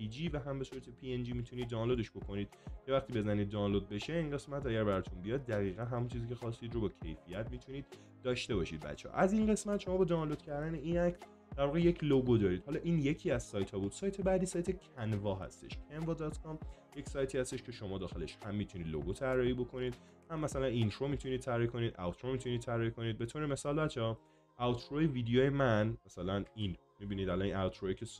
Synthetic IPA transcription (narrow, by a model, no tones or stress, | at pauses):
pʰid͡ʒiːvæɦæmbe̞suːɾæt̪ʰepʰiend͡ʒiːmiːt̪ʰuniːd̪̚ːɒːnlod̪eʃbo̞kʰo̞niːd̪̥cʰevæxt̪iːbe̞zæniːd̪ːɒːnlod̪̚be̞ʃe̞inɢe̞smæt̪ʰæɟæɾbæɾɒt̪ʰunbijɒːd̪̚ːæɣiːɣænɦæmunt͡ʃʰiːziːcʰe̞xɒːst̪iːd̪ɾobɒːcʰe̞̰jfijæt̪ʰmit̪ʰuniːd̪̥̚ː | ɒːʃt̪e̞bɒ̰ʃḭːd̪̚bæ̰t̪t͡ʃʰːeɒ̰ʔæzinɢe̞smæt̪ʃo̞mɒːbɒd̪ɒːnlod̪̥cʰæɾd̪æne̞iːnæcs | d̪æɾvɒɣeje̞cʰloɡod̪ɒːɾiːd̪̥hɒːlɒːʔiːnje̞cʰiːæzsɒːjt̪ʰɒːbuːd̪̥sɒːjt̪ʰebæd̪iːsɒːjt̪ʰecʰænvɒːɦæ̰st̪eʃpʰenvɒd̪ɒt̪kʰɒmje̞csɒjt̪ʰiːhæst̪e̞ʃcʰe̞ʃo̞mɒːd̪ɒːxe̞le̞ʃhæmːiːt̪ʰuniːd̪lo̰ɡot̪ʰæɾːɒːhiːbo̞kʰo̞niːd̪̥ | hæmːæsælænint̪ʰɾomiːt̪ʰunid̥̪̚t̪ʰæɾɒːhikʰo̞niːd̪ʔæ̰wt̪ʰɾomiːt̪ʰunid̪t̪ʰæɾɒːikʰo̞niːd̪̚be̞t̪ʰoːɾeme̞sɒːlbæt͡ʃʰeː | ʔæwt̪ʰɾoeviːd̪ejoːjemænmæsælænin | mibiːniːd̪ælɒninæwt̪ʰɾoecʰes